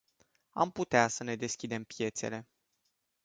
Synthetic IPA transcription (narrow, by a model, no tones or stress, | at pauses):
a̰mput̪easəne̞d̪e̞skʲid̪e̞mpje̞t̪se̞̰le̞